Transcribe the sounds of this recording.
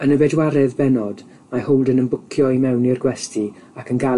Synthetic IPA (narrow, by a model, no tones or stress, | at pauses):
ənəvɛdwaɾɛðbɛnɔd | maholˠdənənbʊkʰjɔimɛwnirɡwɛstʰi | akʰənɡa